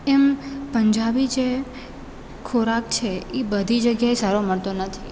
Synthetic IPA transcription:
ɛmpəɲd͡ʒabid͡ʒe | kʰoɾakt͡ʃʰeebəd̪ʱid͡ʒəɡjaesaɾoməɭt̪onət̪ʰi

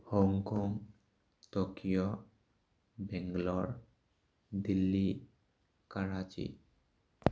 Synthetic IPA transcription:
hoŋkɔŋ | t̪okijo | bɛŋɡloɾ | d̪ilːi | kaɾat͡ɕḭ

